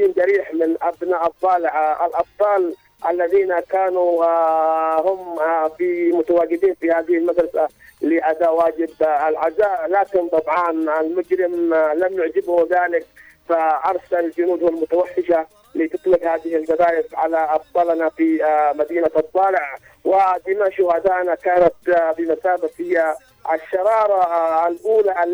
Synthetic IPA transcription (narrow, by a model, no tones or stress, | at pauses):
iːnd͡ʒaɾiːħmɪnʔabnaːʔɑd̪ˤːɑːlɪʕʔalʔɑb̪̚ˤt̪ˤɑːl | ʔa̰lːaðiːnakaːnu | hʊmfimʊt̪awaːɡɪd̪iːnfihaːðɪhɪlmad̪ɾˤɑsa | lɪʔad̪aːwaːd͡ʒɪbalʕazaːʔlaːkɪnt̪ˤɑbʕɑnalmʊd͡ʒɾɪmlamjʊʕd͡ʒɪbhʊmðaːlɪk̚ | faʔɑɾˤsalald͡ʒʊnuːd̪halmʊt̪awaħːɪʃa | lit̪ɨt̪ˤlɪbhaːd̪ɪhalɡad̪aːʔɪfʕalaʔɑfd̪ˤɑlnafimad̪iːnaʔɑt̪ˤːɑːlɪʕ | wɪd̪ɪmaʃʊhad̪aːʔnakaːnat̪bimasaːbafhɪja | aʃːɑɾˤɑːɾˤɑlʔuːla